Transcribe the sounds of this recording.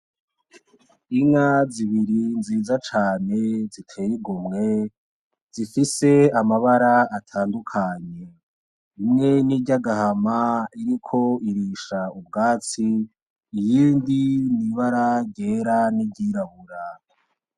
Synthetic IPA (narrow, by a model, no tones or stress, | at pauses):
iŋaziβiɾinziːzat͡ʃaːne̞zitʰe̞ːjiɡumŋe̞ | z̥ifise̞amaβaɾaːtʰaːndukʰaɲe̞ | imŋe̞niɟaɡahamaiɾikʰo̞iɾiːʃaub̚ɡaːt͡siː | jiːndiniβaɾaɟeːɾanibɟiːɾaβuɾa